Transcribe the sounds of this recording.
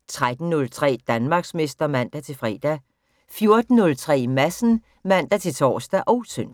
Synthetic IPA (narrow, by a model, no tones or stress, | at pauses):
t͡sʰʁad̥n̩ːɔ̽lt͡sʰʁɛ̰ːd̥ænmɑ̈ɡ̥sme̝sd̥ɐmæn̰d̥æt͡sʰe̝fʁɛ̰ːd̥æ | fjo̝ɐd̥n̩ːɔ̽lt͡sʰʁɛ̰ːmæsn̩ | mæn̰d̥æt͡sʰe̝t͡sʰɒ̰ːsd̥æʔɒ̽ʊsʰøn̰